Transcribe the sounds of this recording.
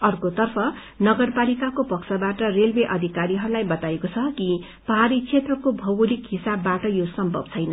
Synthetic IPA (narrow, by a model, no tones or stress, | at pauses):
ʌrkot̪ʌrpʰʌ | nʌɡʌrpalikakopʌksʰʌbaʈʌrelbeʔʌd̪ʱikaɾiɦʌɾulajbʌt̪aekot͡sʰʌki | pʌɦaɾit͡sʰet̪rʌkobʱʌwulikɦisabːaʈʌjosʌmbʱʌb̚t͡sʰʌjnʌ